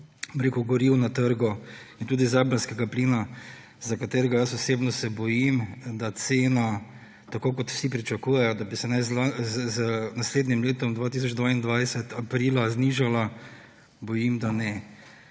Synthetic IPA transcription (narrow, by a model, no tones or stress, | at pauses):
mɾekʊɡɔɾiwnat̪əɾɡɔint̪uːd̪izaːbɾanskɛɡapliːna | zakat̪eːɾɛɡajəsɔseːbnɔsɛbɔjimd̪at̪seːna | t̪akoːkɔt̪w̥sip̬ɾit͡ʃakuːjɛjɔd̪abisɛnɛzlazznasleːd̪nʲimleːt̪ɔmd̪ʋaːt̪is̬ɔd͡ʒd̪ʋaːind̪ʋajsɛt̪apɾiːlazniʒala | bɔjimd̪anɛ